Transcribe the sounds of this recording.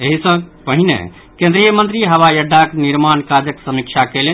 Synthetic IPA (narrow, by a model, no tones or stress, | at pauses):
eɦisə̃pəɦinḛ | kẽnd̪ɾijəmənt̪ɾiɦəʋajəɖʱːakniɾmankad͡ʒəksəmik̚t͡ʃʰakele